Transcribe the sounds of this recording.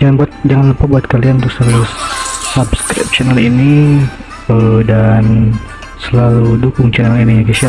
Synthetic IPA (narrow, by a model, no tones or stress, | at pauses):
d͡ʒaŋanbuat̪̚d͡ʒaŋanlapabuat̪̚kalianunt̪ʊksəlalusabskɾɪ̰p̚t͡ʃɛnalini | ədan | səlaludukʊŋt͡ʃɛnaliniaɡisa